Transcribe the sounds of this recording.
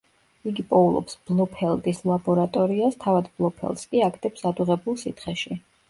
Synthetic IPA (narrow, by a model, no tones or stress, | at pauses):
iɡipʼɔulˠɔ̰psb̥lˠɔpʰɛlˠd̪ʼislˠabɔɾat̪ʼɔɾiast̪ʰavad̪blˠɔpʰɛ̰lˠskʼiakʰt̪ʰʼɛpsad̪uʁɛbulˠsit̪ʰχɛʃi